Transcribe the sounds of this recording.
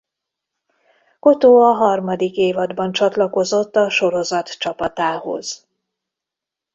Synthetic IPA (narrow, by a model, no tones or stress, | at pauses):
ko̞t̪oːɒɦɒrmɒd̪ikeːvɒd̪bɒnt͡ʃɒt̪lɒko̞zo̞t̪ːɒʃo̞ɾo̞zɒt̪t͡ʃɒpɒt̪aːho̞̰z̥